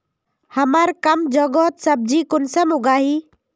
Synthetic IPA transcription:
həmaɾkɐmd͡ʒɔɡɔːt̪səb̚d͡ʒikʊnsəmʊɡaːɦiː

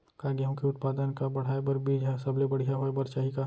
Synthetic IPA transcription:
kaɡjaɦõkeʊt̪̚paːd̪ənkabɐɽ̤aːebɐɾbid͡ʒɛsɐblebɐɽ̤ijaɦoebɐɾt͡ʃaːɦika

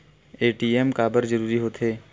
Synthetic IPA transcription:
eːʈiːeːmkaːbəɾd͡ʒəɾuːɾiɦoːt̪ʰɦeː

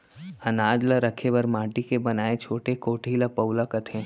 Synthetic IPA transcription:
ɐnaːd͡ʒlaɾɐkʰebɐɾmãːʈikebɐnaːet͡ʃʰoːʈekoːʈʰiːlapɐʊlakɐt̪ʰẽ

